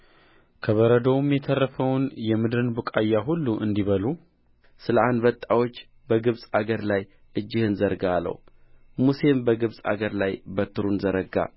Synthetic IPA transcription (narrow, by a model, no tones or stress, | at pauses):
kʰəβəɾəd̪əwumjɛt̪ʰərːəfəwnjɛmɨd̪ɾɨnbukʼajːaɦulːuʔɨnd̪iβəlu | sɨləand̪bət̪ʼːawo̞t͡ʃː | bəɡɨβsʼaɡəɾlaj | ʔɨd͡ʒːɪhɨnzəɾɡalːə̰wmuse̞mbəɡɨβsʼa̰ɡəɾlajbət̪ʰːɨɾunzəɾəɡa̰